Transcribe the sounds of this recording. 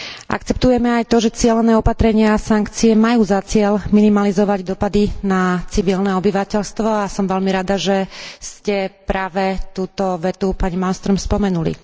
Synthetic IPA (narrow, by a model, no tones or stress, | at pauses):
ʔa̰kt͡sɛpt̪ujɛmɛajt̪ɔʒɛt͡sɪɛlɛnɛːɔpat̪ɾɛɲɪaːsaŋkt͡siɛmajuːzat͡sɪɛlminimalizɔʋaɟd̪ɔpad̪inat͡siʋilnɛɔbiʋacɛʎst̪ʋɔasɔmʋɛlmiɾad̪aʒɛscɛpɾaːʋɛt̪uːt̪ɔʋɛt̪upaɲimanst̪ɾɔmspɔmɛnulḭ